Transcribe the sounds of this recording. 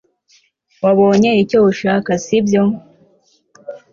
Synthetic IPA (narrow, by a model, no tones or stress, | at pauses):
waβo̞ːɲeicouʃakasibjo